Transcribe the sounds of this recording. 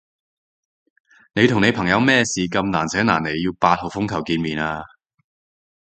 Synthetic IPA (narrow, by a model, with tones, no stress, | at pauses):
ne˨˧jt̪ʰʊ˨˩ŋne˨˧jpʰɐ˨˩ŋjɐ˨˧wmɛː˥siː˨kɐ˧mnaː˨˩nt͡sʰɛː˨˥ŋna̰ː˨˩ne˨˧jːiː˧wpaː˧t̚ho˨˩fʊ˥ŋkʰɐ˨˩wkiː˧nmiː˨˩naː˧